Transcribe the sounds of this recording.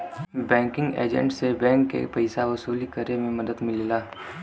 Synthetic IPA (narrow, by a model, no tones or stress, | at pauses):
bɛ̃ːŋkɪ̃ŋɡḛːd͡ʒə̰̃ɳʈsebɛ̃ːŋkːḛpɐɪsaʋɐsuːlikəɾemẽmɐd̪əd̪mɪllaː